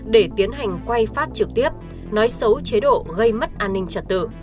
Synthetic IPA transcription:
ɗe˧˩t̪i˨˦ənɦa˨˩jŋ̟kwa˧jfaː˦˥t̚t͡ɕɨ˨˩k̚t̪i˦˥əp̚ | nɔ˨˦jsə˨˦wt͡ɕe˨˦ɗo̰˧˨ɣə˧jmə˦˥t̚ʔaː˧nːï˧ŋ̟t͡ɕə˨˩t̚t̪ɨ̰˧˨

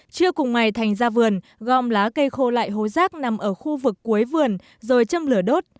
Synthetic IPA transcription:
t͡ɕɨ˧əkʊ˨˩ŋ͡mŋa˨˩jt̪ʰa˨˩jŋ̟zaː˧vɨ˨˩ən | ɣɔ˧˨mlaː˨˦kə˧jxo˧la̰ː˧˨jɦo˨˦zaː˦˥k̚na˨˩mʔəː˧˩xu˧vɨ˨˩kːu˨˦əjvɨ˨˩ən | zo˨˩jt͡ɕə˧mlɨ˧˩əɗo˦˥t̚

